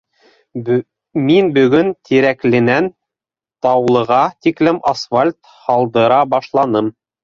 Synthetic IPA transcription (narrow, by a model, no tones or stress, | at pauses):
minbɵ̆ɡɵnt̪ʰiɾæklɘ̆næn | t̪ɑwlˠɤ̆ʁɑt̪iklɘmasfalʲt̪ | hɑlˠd̪ɤ̆ɾɑbɑʃlˠɑnɤm